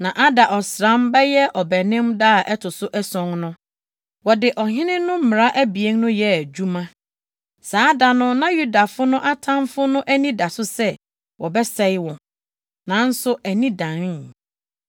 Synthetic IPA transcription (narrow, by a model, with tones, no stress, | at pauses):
nã˨ʔa˦da˨ʔɔ˨sɾã˦mbɛ˦jɛ˦ʔɔ˨bɛ˨nɪ̃˦mda˦a˨ʔɛ˦tʰʊ˨sʊ˦ʔɛ˦sɔ̃˨ŋnʊ̃˦ | wɔ˨dɪ˨ʔɔ˨hɪ̃˦nɪ̃˦nʊ̃˦m̩˦mɪ̃˨ɾa˦ʔæ˦bi˨e˦ŋnʊ̃˦jɛ˨æ˨d͡ʑᶣu˦mã˦ | saː˨˦da˨nʊ̃˦nã˦ju˦da˨fʊ˦nʊ̃˦ʔa˦tʰã˦mfʊ˦nʊ̃˦ʔæ˦nĩ˦da˨sʊ˦sɛ˦ | wʔɔ˨bɛ˦sɛ˦ɪ˦wɔ̃˨ | nã˨˦n̩˦sʊ˦æ˨nĩ˦dã˨n˦˨